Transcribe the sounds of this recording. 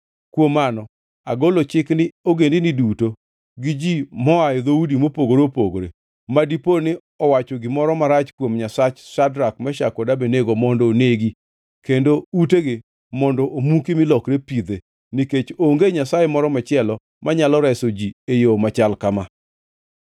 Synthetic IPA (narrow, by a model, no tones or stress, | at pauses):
kwomanɔ | aɡolot͡ʃɪknɪoɡendiniduto | ɡɪd͡ʒimɔajɔd̪oudimopoɡoɾeopoɡoɾe | madiponɪ | ɔwat͡ʃɔɡɪmɔɾɔmaɾat͡ʃkwomɲasat͡ʃsadɾak̚mɛʃakɔdabeneɡomɔndɔneɡi | kendouteɡɪ | mɔndɔʔomukimɪlɔkɾepid̪e | niket͡ʃoŋɡeɲasajemɔɾɔmat͡ʃɪɛlɔ | mʔaɲalɔɾɛsod͡ʒiejomat͡ʃalkama